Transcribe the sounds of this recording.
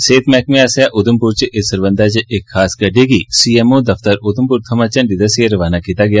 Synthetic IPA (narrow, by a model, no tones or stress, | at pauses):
seːt̪mɛːkmeasjaʔʊd̪əmpʊɾt͡ʃeʔɪsɐɾʋə̃nd̪at͡ʃeʔɪkʰxaːskɐɖeɡisiːemod̪ɐft̪əɾʊd̪əmpuɾt̪ʰɐmət͡ʃɐnɖɪd̪əsjeɾɐʋaːnakiːt̪aɡɐjaː